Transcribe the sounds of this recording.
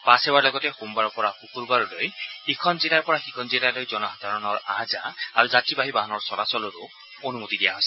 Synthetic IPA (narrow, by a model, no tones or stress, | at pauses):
pasebaɹlɔɡɔtɛxumbaɹɔpɔɹaxukuɹbaɹɔlojekʰɔnzilaɹpɔɹaxikʰɔnzilalojzɔnɔɦad̪ʱaɹɔnɔɹa̰za̰aɹuzatɹibaɦibaɦɔnɔɹsɔlasɔlɔɹu | onumut̪idija̰ɦɔsɛ̥